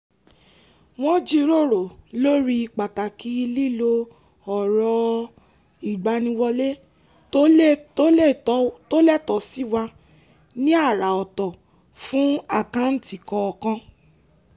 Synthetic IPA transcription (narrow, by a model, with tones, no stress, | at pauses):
w̃ɔ̃˦d͡ʒi˦˧ɾo˦˨ɾo˨lo˦ɾi˧i˧k͡pa˨ta˨ki˦˧li˦lo˧ | ɔ˨ɾɔ˧ | i˨ɡ͡ba˧nĩ˧wɔ˧le˦ | to˦lɛ˦˨tɔ˨˦si˦wa˧ | nĩ˦a˦˨ɾa˨ɔ˨tɔ˨ | fũ˦a˦˨kã˨˦n̩˦ti˨kɔ̃˧ɔ˨kã˧